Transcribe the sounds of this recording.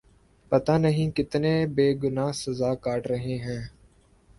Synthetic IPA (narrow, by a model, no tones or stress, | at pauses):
pɐt̪aːnəɦĩːkɪt̪nẽːbeːɡʊnaːɦsɐzaːkaːʈɾəɦẽːɦɛ̃ː